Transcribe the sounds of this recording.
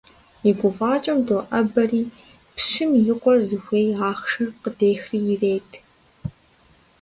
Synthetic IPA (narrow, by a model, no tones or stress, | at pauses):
iɡʷʊfaːt͡ʃʼɐmdoːʔɐbɐriː | pʃɪmjɪqʷɔrzɨxʷeːjaːχʂɨrqədeːxriːjɪreːtʰ